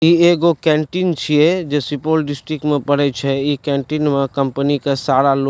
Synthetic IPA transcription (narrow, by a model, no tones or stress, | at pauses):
ieːɡokɛ̃ːɳʈint͡ʃʰied͡ʒesɪpoːlɖɪsʈɾɪkmẽpəɽɛt͡ʃʰɛikɛ̃ːɳʈinmẽkə̃mpənikasaːɽalo